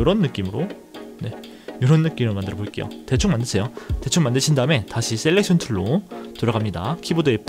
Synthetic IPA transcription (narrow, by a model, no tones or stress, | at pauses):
jʌɾʌnːɯk͈imɯɾo | ne̞ | jʌɾʌnːɯk͈imɯɭmandɯɾʌboik͈e̞̰jo̰te̞t͡ɕʰoŋmandɯsʰejote̞t͡ɕʰoŋmandɯɕʰindaɯme̞taɕʰis͈eɭːek̚ɕʰʌntʰɯɭːotoɾaɡamɲida̰kʰibodoep